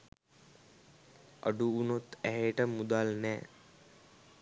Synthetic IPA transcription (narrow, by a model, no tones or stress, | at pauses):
ʔɐ̰ɖuːnot̪æɦeʈəmud̪alnɛː